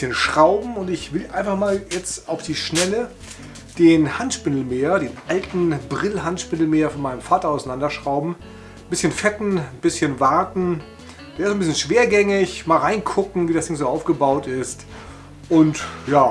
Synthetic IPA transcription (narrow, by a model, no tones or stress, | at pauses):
çənʃʁ̥aʊbm̩ʊntɪçv̥ɪlʔaɪnfaχmaːljɛt͡staʊfd̥iːʃnɛlə | d̥eːnhantʃpɪnl̩meːɐdeːnʔaltn̩bʁɪlɦantʃpɪnl̩meːɐfɔnmaɪnəmfaːtɐaʊsanandɐʃʁ̥aʊbm̩ | bɪsçənfɛtn̩b̥ɪsçənvaɐtn̩ | d̥eːɐɪszonbɪsçənʃv̥eːɐɡɛŋɪçmaːlʁaɪnkʰʊkŋ̩viːdasd̥ɪŋzoːaʊfɡ̥əbaʊtɪst | ʔʊntjaː